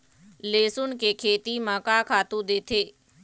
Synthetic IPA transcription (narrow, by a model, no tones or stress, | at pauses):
leːsʊnkekʰeːt̪iməkaːkʰaːt̪ũd̪eːt̪ʰeː